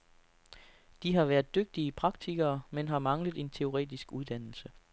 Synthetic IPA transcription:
d̥iɦɑ̈ʋæːɐðˠd̥øɡ̥̚d̥iipʰʁɑ̈ɡ̥̚t͡sʰiɡ̥ɐːmenɦɑ̈mɑ̈ŋləð̞̩ˠe̝nt͡sʰe̝o̝ʁɛ̰ːd̥isɡ̥uð̞ˠd̥æn̰l̩sə

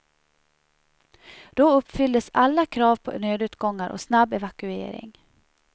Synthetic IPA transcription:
d̪̥ɔɵpːfʏld̪əsalːakʰɾɑːvpʰɔ̰nøːd̪ʉːt̪ɡɔŋːaɾʔɔ̰snabɛvakɵḛːɾɪ̰ŋ

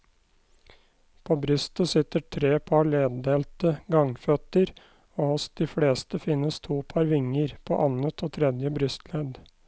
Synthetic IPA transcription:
pʰoːbɾʏst̪əsɪt̪əʈʰɾeːpʰɑɭeːd̪ːeːlt̪əɡɑŋfœt̪əɾ | oːhɔsd̪̥iːfɽeːst̪əfɪnəst̪ʰuːpʰɑɾʋɪŋəɾpʰo̰ːʔɑnət̪ʰoːt̪ʰɾɛd̪jəbɾʏst̪lɛːd̪

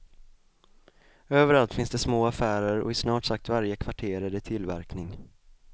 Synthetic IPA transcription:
øːvəɾalt̪fɪnsd̪ɛsmoːafæːɾəɾɔ̰ɪsnɑːʈsak̚t̪vaɾjəkʰvaʈʰeːɾəd̪ət̪ʰɪlːvæ̰ɾknɪŋ

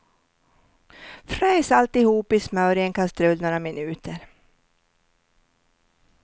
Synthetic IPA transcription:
fɾɛjsalt̪ɪhuːpɪsmœːɾɪɛnkʰast̪ɾɵlnoːɾamɪnʉ̟ːt̪ʰəɾ

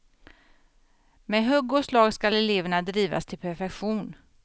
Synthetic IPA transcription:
meɦœɡːʊslɑːɡskalɛleːvəɳad̪ɾiːva̰st̪ʰɪlpʰæɾfɛkɧuːn

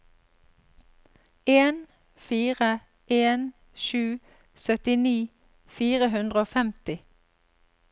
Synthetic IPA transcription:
eːn | fiːʁə | ʔeːn | ʃʉː | sœt̪ɪniː | fiːʁəɦʉnd̪ʁəoːfɛmt̪ɪ

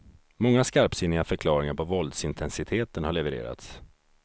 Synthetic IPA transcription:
mɔŋːaskaɾpsɪnːɪɡafœɾkʰlɑːɾɪŋaɾpʰɔvɔld̪sɪnt̪ʰɛnsɪt̪ʰeːt̪ənhaɭɛvɛɾḛːɾa̰t̪s

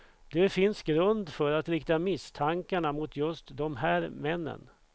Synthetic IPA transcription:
d̪̥ɛfɪnsɡɾɵnd̪fœɾat̪ɾɪk̚t̪amɪst̪ʰaŋkaɳamʊt̪ʰjɵst̪d̪ɔmɦæːɾmɛnːə̰n

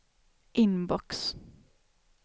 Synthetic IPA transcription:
ʔɪnbɔks

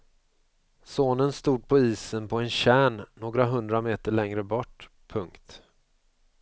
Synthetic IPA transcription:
soːnənst̪uːd̪̚pʰɔiːsənpʰɔɛnɕæːɳːoːɡɾaɦɵnd̪ɾameːt̪əɭɛŋɾəbɔʈː | pʰɵŋkt̪

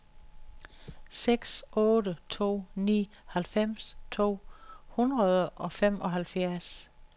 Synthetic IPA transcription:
seɡ̥sʔɔ̽ːɾət͡sʰo̝̰ːnḭːhælfem̰st͡sʰo̝̰ːhunʁɐð̞ˠəʔɒ̽fem̰ɒ̽ɦælfjæɐs

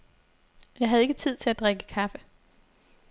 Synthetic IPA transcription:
jɑ̈ɪɦæðˠe̝ɡ̥ət͡sʰið̞̰ˠt͡sʰe̝læd̥ʁeɡ̥əkʰɑfə

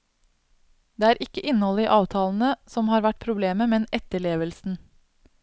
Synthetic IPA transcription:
d̪̥eːæːɾʔɪkəʔɪnəhɔləiːʔɑːʋt̪ʰɑːln̩əsɔmhɑːɾʋæʈ̚pʰɾʊbleːməmɛnɛt̪əɭeːʋəlsn̩

